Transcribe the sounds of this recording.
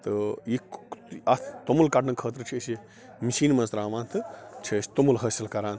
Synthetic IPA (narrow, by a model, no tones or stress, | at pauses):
t̪ɨjiɐt̪ʰt̪omulkɐʈnɐkʰəːt̪̬ɾɨt͡ʃʰiəsi | misiːnmɐnsɾaːʋãːnt̪ʰɨt͡ʃʰɐsʲt̪omulɦɐsɐlkɐɾaːn